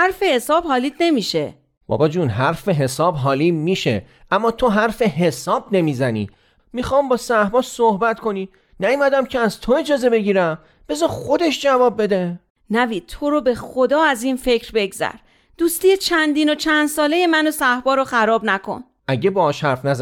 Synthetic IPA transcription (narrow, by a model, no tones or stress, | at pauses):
hæɾfe̞he̞sɒːbhɒːliːd̪ne̞miːʃe | b̥ɒ̰ːbɒd͡ʒuːnɦæɾfeɦe̞sɒːbɦɒːliːmiːʃe̞̰ | ʔæmːɒːt̪ʰo̞ɦæɾfeɦe̞sɒːb̚ne̞miːzænḭː | mixɒːmbɒːsæhbɒːsohbæt̪kʰo̞niː | næjumæd̪æmcʰeæzt̪ʰoe̞d͡ʒɒːze̞be̞ɟiːɾæm | b̥e̞zɒːxod̪eʃd͡ʒævɒːb̚ːe̞d̪e | næviːt̪ʰo̞ɾobe̞xod̪ɒːæzinfe̞cʰɾbe̞ɡzæ̰ɾ | d̪̥uːst̪ijet͡ʃʰænd̪iːnot͡ʃʰænd̪sɒːle̞jemænosæhbɒːɾoxæɾɒːbnækʰo̞̰n | ʔæɟe̞bɒːɒːʃhæɾfnæz